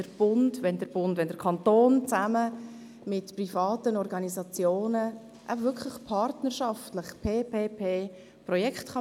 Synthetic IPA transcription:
əɾb̥ʊndʋɛndəɾb̥ʊndvʋɛndəɾkʰɑntoːnt͡samə | mɪtprifɑːtənɔɾɡɑnisɑt͡sjoːnə | ʔa̰vʏɾkʰχləχpʰɑɾtnəɾʃɑftləχpʰeːpeːpʰeː | prɔjɛkχtχɑ

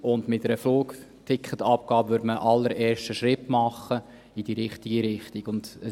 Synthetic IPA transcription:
ʊndmɪtəɾəfloːktʰɪkχətɑp̚ɡ̥ɑːbəʋøədməʔɑlːəɾʔɛːɾʃtəʃɾɪtmɑχːə | idiːɾɪχtiɡiɾɪχtiɡʊnd̥ə

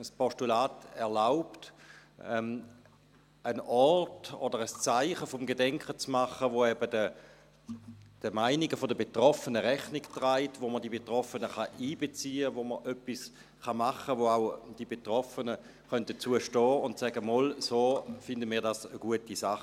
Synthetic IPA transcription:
əspʰɔʃtulaːtɛʁlaʊptɛm | ənɔrto̰d̥əʁəst͡saɪχəfɔmɡedɛŋkχət͡smaχəvoɛbədə | d̥əmaɪniɡəfodəbetʁɔfənəʁɛχniktʁaɪtvoməʁdibetʁɔfənəχɑʔiːbet͡siːəvoməʁʔœpːis | χɑmaχəvoaʊd̥ibetʁɔfənə | χœnt̚dət͡suəʃtɔːʊntsɛɡəmɔlsoːfɪndəmiːɐdasəɡ̥uətisaχ

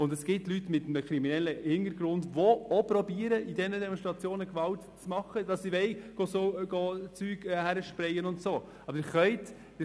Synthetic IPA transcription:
ʊndɛsɡ̥ɪtlytmɪtm̩əkɾiminɛlːəhɪnəɾɡɾʊndvoɔpɾɔbiəɾəidɛnədɛmɔnstɾɑt͡sjoːnəkvɑltt͡smɑχəd̥ɑsivɛɪɡ̥ɔsoɡɔt͡syːɡhæɾəʃpɾɛjənʊntsoː | ɑbəɪχœɪt

